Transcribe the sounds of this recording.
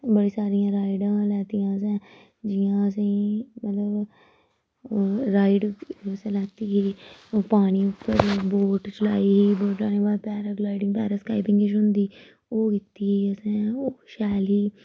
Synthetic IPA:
bəɽiːsaːɾijãːɾaːɪɖãːlɛːt̪ijãːs̬ɛ̃ː | d͡ʒɪjãːəs̬ẽmət̪ləb | ɾaːɪɖəsẽːlɛːt̪iːiːpaːɽ̃iːʊpːəɾboːʈt͡ʃəla̰ːiːiːboːʈlaːnẽːbaːlpɛːɾəɡlaːɪɖɪ̃ŋpɛːɾaːskaːɪpɪ̃ŋɡɪʃɦʊnd̪iː | oːkit̪ːiːəsɛ̃ːoʃɛːliː

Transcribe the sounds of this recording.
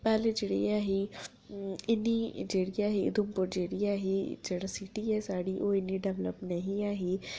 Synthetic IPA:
pɛːld͡ʒeːɽḭaːɦi | ɪnid͡ʒeːɽiaːɦiɪ̰d̪ʊmpʊɾd͡ʒeːɽiaːɦed͡ʒeːɽasiʈiɦɛsaːɽiʔoɪnːiɖɛʋlə̰pnɐɦĩaːɦeː

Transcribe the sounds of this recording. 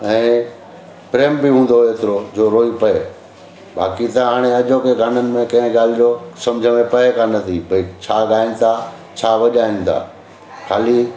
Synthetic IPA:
ɛ̃ː | pɾeːmbɪɦũːn̆d̪oeːt̪ɪɾod͡ʑoːɾoːipɐe | ba̰ːkit̪ɐɦaːɽ̃eɐʄokeɡʱɐn̤ənɪ̆mẽkɐ̃ɦɪ̃ɡaːl̤ɪjosɐ̃md͡ʑʱəmẽpɐɦekʰãnɐt̪ʰibʱɐit͡ɕʰaːɡaːɪnɪ̆t̪ʰa | t͡ɕʰaːʋɐʄaːɪ̃nɪ̆t̪ʰa̰ː | kʰaːli

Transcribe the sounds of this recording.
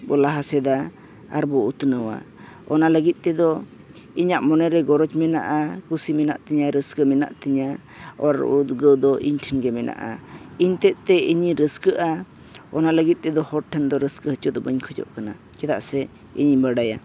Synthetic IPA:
bɔlaɦasɛd̪a | aɾbɔut̪nəwa̰ | ɔnaləɡit̪̚ˀt̪ɛd̪ɔ | iɲaʔmɔnɛɾɛɡɔɾɔt͡ʃmɛna̰ʔakusimɛna̰ʔt̪ɛɲaɾəskəmɛna̰ʔt̪iɲa | ɔɾut̪ɡəwd̪ɔʔiɲʈʰənɡɛmɛnʔa̰ʔa̰iɲt̪ɛt̪̚t̪ɛiɲiɾəskəʔa | ɔnaləɡit̪̚ˀt̪ɛd̪ɔhɔʈʰɛnd̪ɔɾəskəhət͡ʃɔd̪ɔbəɲkʰɔd͡ʒɔ̰ʔkana̰ | t͡ʃɛt̪a̰ʔsɛ | ḭɲbəɽaja̰

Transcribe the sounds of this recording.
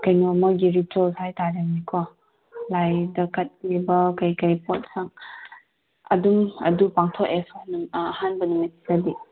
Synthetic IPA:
kɐjnɔmɔɡiɾitɔlshajtaɾanikʰɔ | lajdɐkɐt̚klibɐkɐjkɐjpot̚saŋ | ɐ̰dumɐ̰dupaŋtʰɔkesnɐhanbɐnumesi̥sadi

